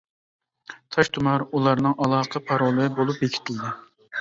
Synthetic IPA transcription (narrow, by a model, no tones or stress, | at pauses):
t̪ʰɑʃt̪ʰumɑɾulˠɑɾnɨŋʔɑlˠɑːqʰəpʰɑɾolˠɨbolˠup̚jekʲʰi̥t̪ʰɪld̪ɪ